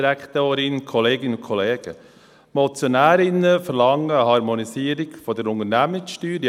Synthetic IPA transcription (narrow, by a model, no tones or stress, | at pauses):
ɾækt̪oːɾɪnkʰɔleːɡɪnʊkʰɔleːɡ̥ə̰ | mɔt͡sjonæːɾɪnəfəɾlɑŋːəəhɑɾmonisiəɾɪɡfɔdəɾʊnəɾnæməksʃtyːɾj